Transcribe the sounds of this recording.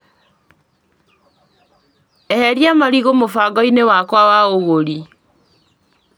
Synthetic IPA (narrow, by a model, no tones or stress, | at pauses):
ɛhɛɾjamaɾiɣomofaɡɔinewakwawaoɣoɾi